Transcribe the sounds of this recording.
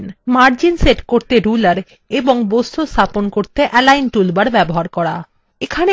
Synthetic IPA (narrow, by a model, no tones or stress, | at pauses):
nmaɾd͡ʑinseʈkoɾt̪eɾulaɾ | eboŋbost̪ʰost̪ʰaponkoɾt̪eʔɛlajnʈulbaɾbɛboɦaɾkɔɽa̰ | ekʰane